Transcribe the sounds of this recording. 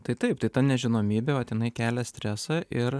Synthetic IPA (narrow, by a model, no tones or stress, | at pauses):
t̪ɐɪt̪ɐɪpt̪ɐɪt̪ɐnʲɛʒʲɪnoːmʲiːbʲeːʋɐt̪ʲjɪnɐɪkʲæːlʲɛsʲt̪ʲɾʲæsɑʔɪɾ